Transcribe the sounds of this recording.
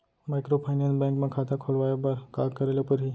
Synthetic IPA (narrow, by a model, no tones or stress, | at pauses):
maɪkɾopʰaɪnjənbɛ̃ŋkmãkʰat̪akʰoɭʋaːjopɐɾkaːɡkəɾelopəɾɦi